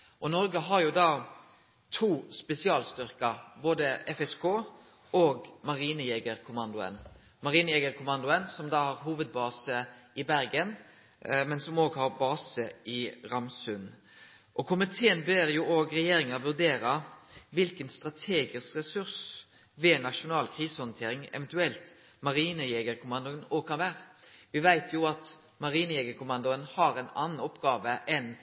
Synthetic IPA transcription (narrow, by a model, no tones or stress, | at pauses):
ʔɔnɔɾɡəɦɑɾjʊd̪ɑː | t̪ʰuːspɛsɪɑːlst̪ʏɾkɑɾboːd̪əɛfɛskʰoː | oːɡmɑɾiːnəjeːɡəɾkʰʊmɑnd̪ʊə̰n | mɑɾiːnəjɛːɡəɾkʰʊmɑnd̪ʊənsɔmd̪ɑːhɑɾɦuːʋəd̪̚bɑːsəɪbæɾɡən | mɛnsɔmoːɡhɑɾbɑːsəɪɾɑmsʉn | ʔɔkʰʊmɪt̪ʰeːənbeɾjuːʔoːɡɾɛjeːɾɪŋəɾʋʉɾd̪eːɾɑʋɪlkənst̪ʁɑt̪ʰeːɡɪskɾɛsʉɾs | ʋɛːnɑʂʊnɑːlkʰʁiːsəhɔnt̪ʰeːɾɪŋɛ̰ʋɛnt̪ʉɛlt̪ | mɑɾiːnəjɛːɡəɾkʰʊmɑnd̪ʊənoːɡ̚kʰɑnʋæːɾəʋɪʋæɪt̪ʰjuɑt̪ | mɑɾiːnəjɛːɡəɾkʰʊmɑnd̪ʊənhɑɾɛɪnɑ̰nːnɔpːɡɑːʋəʔɛn